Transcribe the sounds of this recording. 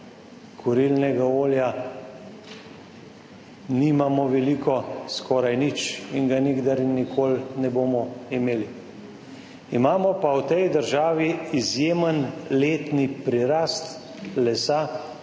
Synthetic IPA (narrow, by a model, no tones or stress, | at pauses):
kʰuɾilnɛɡaoːlja | nimamɔʋɛlikɔskʰɔːɾajnit͡ʃiŋɡaniɡd̪aɾnikʰoːlnɛboːmɔimeːli | imaːmɔpawt̪ɛjd̪əɾʒaːʋiizjeːmənleːt̪nipɾiɾast̪ | lɛsa